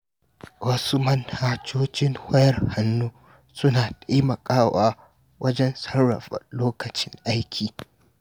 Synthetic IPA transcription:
wɐ˦su˦mɐ˦nhaː˦t͡ʃoː˦t͡ʃʲɪ˦ŋhɐ˦jɐ˦rha˦nːuː˦ | sʊ˦naː˨tʼa˦jmɐ˨kʼaː˦waː˦ | wʔɐ˦d͡ʒɛ˦nsɐ˦nɽɐ̰˨ɸɐ̰˨loː˦kɐ˨t͡ʃɪ˦ŋʔa˦jkʲʰiː˨

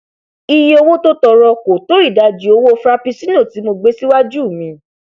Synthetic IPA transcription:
i˧jo˧wo˦to˦tɔ˧ɾɔ˧ko˨to˨˦ɾi˦˨da˨˧d͡ʒi˨˦o˧wo˦o˧fɾa˦pi˧sĩ˦nũ˦˨ti˨˦mo˧ɡ͡be˦si˦wa˦d͡ʒu˦˨mĩ˧

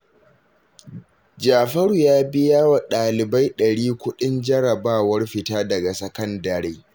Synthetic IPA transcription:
d͡ʒaː˨ɸɐ˦ɽu˨jaː˦bɪ˦jaː˦wa˨ɗaː˨lɪ˨ba˦jɗɐ˨ɽiː˦kʷʊ˦ɗɪ˦nd͡ʒɐ˦ɽɐ˨baː˦wɐ˦rɸɪ˨taː˦dɐ˨ɡa˨sɐ˨kɐ˦ndɐ˨ɾeː˦

